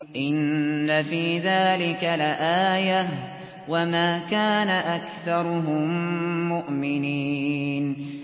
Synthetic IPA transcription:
ʔɪnːafiːðaːlɪkalʔaːja | wamaːkaːnaʔakθɑɾˤʊɦʊmːʊʔmɪniːn

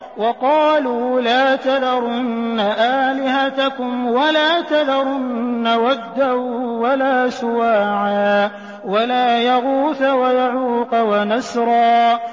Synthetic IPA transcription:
wɑqɑːluːlaːt̪ad̪ɑɾˤʊnːaʔaːlɪhat̪akʊmwalaːt̪ad̪ɑɾˤʊnːawad̪ːahuwalaːsʊwaːʕaː | walaːjaɣuːθawajaʕuːqwanasɾˤɑː

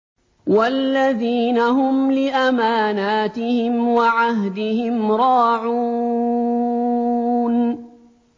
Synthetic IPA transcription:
walːaðiːnaɦʊmlɪʔamaːnaːt̪ɪhɪmwaʕaɦd̪ɪhɪmɾˤɑːʕu | n

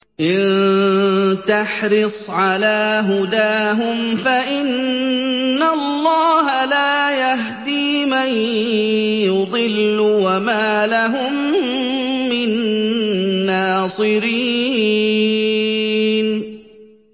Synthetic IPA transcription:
ʔɪn | t̪aħɾɨsˤʕalaːɦʊd̪aːɦʊmfaʔɪnː | alˤːɑːɦalaːjaɦd̪iː | maj | jʊd̪ˤɪlːʊwamaːlaɦʊmː | ɪnː | aːsˤɨɾiː | n

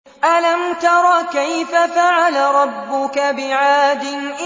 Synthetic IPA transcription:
ʔalamt̪ɑɾˤɑːkajfafaʕalaɾˤɑbːʊkabɪʕaːd̪ɪnʔ

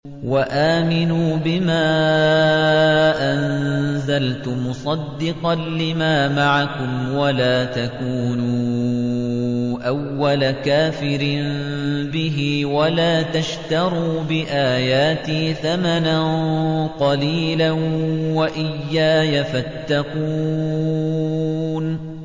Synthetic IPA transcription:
waʔaːmɪnuːbɪmaː | ʔanzalt̪ʊmʊsˤɑd̪ːɪqɑnlɪmaːmaʕakʊmwalaːt̪akuːnuː | ʔawːalakaːfɪɾm | bɪɦɪwalaːt̪aʃt̪ɑɾˤuːbɪʔaːjaːt̪iːθamananqɑliːlanwaʔɪjːaːjafat̪ːɑquː | n

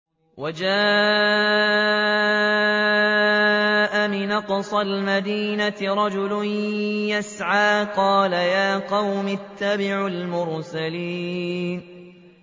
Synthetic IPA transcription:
wad͡ʒaː | ʔamɪnɑqsˤɑlmad̪iːnat̪ɪɾˤɑd͡ʒʊlʊnjasʕaːqɑːlajaːqɑwmɪt̪ʰːabɪʕʊlmʊɾsaliːn

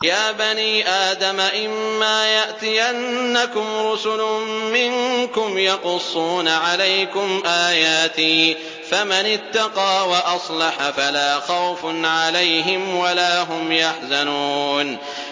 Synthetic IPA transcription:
jaːbaniːʔaːd̪amaʔɪmːaːjaʔt̪ɪjanːakʊmɾʊsʊlʊmɪŋkʊmjɑqʊsˤːuːnaʕalajkʊmʔaːjaːt̪ɪː | famanɪt̪ːɑqɑːwaʔɑsˤlɑħafalaːxɑwfnʕalajɦɪmwalaːɦʊmjaħzanuːn

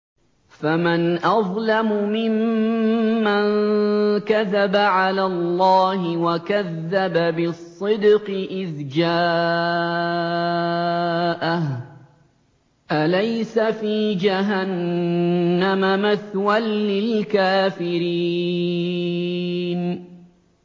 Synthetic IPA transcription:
famanʔɑðˤlamʊmɪmː | ankaðabaʕalaːlˤːɑːɦɪwakaðːababɪsˤːɨd̪qɨʔɪðd͡ʒaː | ʔah | ʔalajsafiːd͡ʒaɦanː | amamaθwalːɪlkaːfɪɾi | n

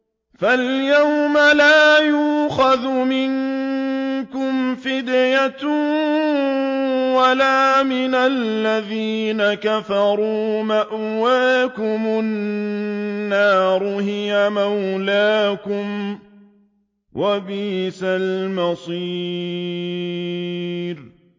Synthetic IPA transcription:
faljawmalaːjuːxaðʊmɪŋ | kʊmfɪd̪jat̪ | walaːmɪnalːaðiːnakafɑɾuːmaʔwaːkʊmʊ | aːɾʊhɪjamawlaːkʊm | wʔabiːsalmɑsˤiː | ɾ

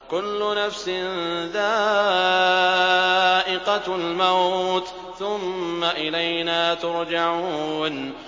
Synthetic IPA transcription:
kʊlːʊnafsɪnðaː | ʔɪqɑlmawt̪ | θʊmːaʔɪlajnaːt̪ʊɾd͡ʒaʕuːn

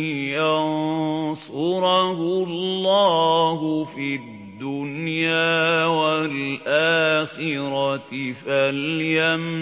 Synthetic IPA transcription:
jansʊɾɑhʊllːaːɦʊfidd̪ːʊnjaaːwalʔaːxɪɾɑɪfaljam

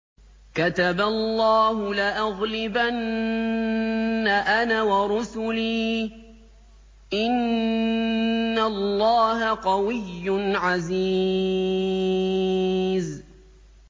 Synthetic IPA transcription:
kat̪abalːɑːɦʊlaʔaɣlɪban | aʔanawɑɾʊsʊliː | ʔɪn | allːɑːɦaqɑwɪjːʊnʕazi | z

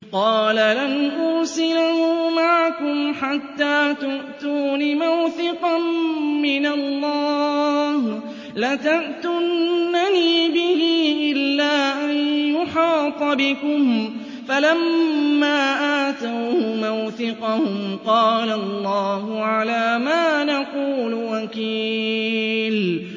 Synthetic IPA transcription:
qɑːlalanʔʊɾsɪlahʊmaʕakʊmħat̪ːaːt̪ʊʔt̪uːnɪmawθɪqɑnmɪnalːɑːh | lat̪aʔt̪ʊnːaniːbɪhiːʔɪlːaːʔanjʊħɑːt̪ˤɑbɪkʊm | falamːaːʔaːt̪awhʊmawθɪqɑhʊmqɑːlalˤːɑːhʊʕalaːmaːnaquːlwakiː | l

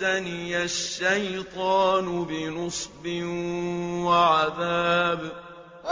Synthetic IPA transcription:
anijaʃːajt̪ˤɑːnʊbɪnɨsˤbɪ | waʕaðaːb

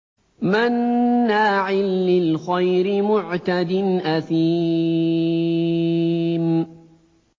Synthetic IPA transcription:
manːaːʕɪlːɪlxajɾɪmʊʕt̪ad̪ɪnʔaθi | m

